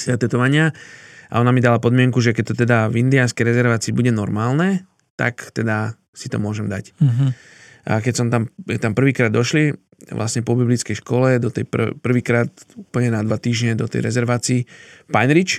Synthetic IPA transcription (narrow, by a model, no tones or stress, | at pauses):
sɛt̪ɛt̪ɔʋaɲɪaʔa̰ɔnamid̪alapɔd̪mɪɛŋkuʒɛkɛc̚t̪ɔt̪ɛd̪avind̪ianskɛjɾɛzɛɾʋaːt͡siːbuɟɛnɔɾmaːlnɛ | t̪a̰kt̪ɛd̪a | sit̪ɔmʊɔʒɛmd̪a̰c | ʔa̰kɛcsɔmt̪amt̪ampr̩ʋiːkɾaːd̪ːɔʃli | ʋlʔa̰sɲɛpɔbiblit͡skɛjʃkɔlɛd̪ɔt̪ɛ̰jppr̩ʋiːkɾaːt̪upl̩ɲɛnad̪ʋat̪iːʒɲɛd̪ɔt̪ɛ̰jɾɛ̰zɛɾʋaːt͡siːpanɾit͡ʃ